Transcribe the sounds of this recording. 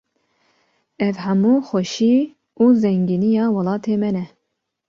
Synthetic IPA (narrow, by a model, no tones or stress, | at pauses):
ɛvhamuːxɛʃiː | uːzɛŋɡiːnijɑːwɑlɑːt̪ʰeːmɛnɛ